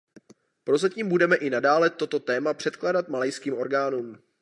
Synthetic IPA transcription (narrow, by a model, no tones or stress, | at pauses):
pɾo̞zaciːmbudɛmɛʔɪnadaːlɛt̪o̞t̪o̞t̪ɛːmapr̥ɛt̪klaːdat̪malɛjskiːmo̞ɾɡaːnuːm